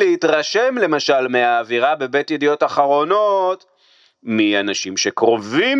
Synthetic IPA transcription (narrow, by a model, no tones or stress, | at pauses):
eitʁaʃe̞mle̞maʃalmeaːviʁabe̞be̞tjedijo̞taχaʁo̞no̞t | mianaʃimʃe̞kʁo̞vim